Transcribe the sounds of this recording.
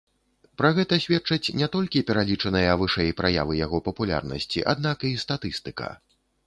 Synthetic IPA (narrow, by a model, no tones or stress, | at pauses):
pɾaɣɛt̪ɐsʲvʲɛt͡ʂɐt͡sʲnʲɛt̪ɔlʲkʲipʲɛɾalʲit͡ʂɐnɨjɐvɨʂɛjpɾaja̰vɨjaɣɔpɐpulʲa̰rnɐ̰sʲt͡sʲḭʔa̰d̪̚nakist̪at̪ɨst̪ɨkɐ̰